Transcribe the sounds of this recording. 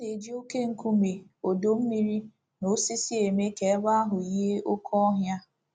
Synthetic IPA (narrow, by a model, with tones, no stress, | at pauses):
ne˨d͡ʒi˦o˦ke˦ŋ̩˨ku˦me˨o˨do˨m̩˦mi˦ɾi˦ | no˨˦si˦si˦e˨me˦ke˨˦ɡ͡ba˦a˦ɦʊ˨i˦ɦe˦ʔʊ˦kʰɔ˦ɔ˦ɦja˦